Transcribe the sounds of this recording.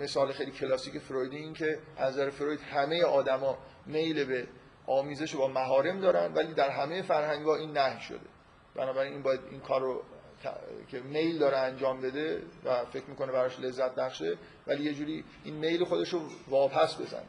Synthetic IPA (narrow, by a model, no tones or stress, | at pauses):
me̞sɒːlexe̞jlicʰelɒːsiːce̞fɾojd̪iiːncʰe̞ʔænzæɾefɾojd̪hæme̞je̞ʔɒːd̪æmɒːme̞jlebe | ɒːmiːze̞ʃebɒːmæɦɒːɾe̞md̪ɒːɾænd̪væliːd̪æɾɦæme̞je̞fæɾhæŋɡɒːiːnːæhjʃo̰d̪e̞̰ | b̥ænɒːbæɾiniːnbɒːjæd̪ḭnkʰɒːrːo | t̪ʰcʲʰe̞me̞jld̪ɒːɾeænd͡ʒɒːmbe̞d̪evæfe̞cʰɾmiːkʰo̞nebæɾɒːʃle̞zːæt̪̚ʰbæχʃe | væliːje̞d͡ʒuːɾiː | inme̞jlexo̞d̪e̞ʃovɒːpʰæsbe̞̰zæ̰ne